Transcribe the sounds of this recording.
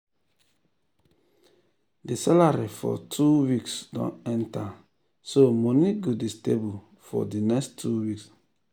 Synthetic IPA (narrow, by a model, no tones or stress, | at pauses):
disalaɾifɔ̰tʰuwiksdɔ̰̃nɛ̃nta | somɔniɡodistebul | fɔ̰dinɛkstʰuwiks